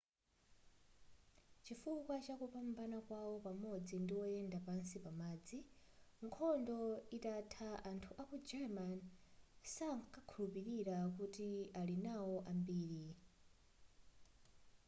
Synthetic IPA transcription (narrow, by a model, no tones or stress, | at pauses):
t͡ʃifukwat͡ʃakupambanakwawɔpamɔd͡zindiwɔɛndapansipamaːd͡zi | ŋ̩kʰɔndɔitatʰaʔantʰuʔakud͡ʒɛmansakakʰulupiɾiɾakutialinawɔʔambiːɾi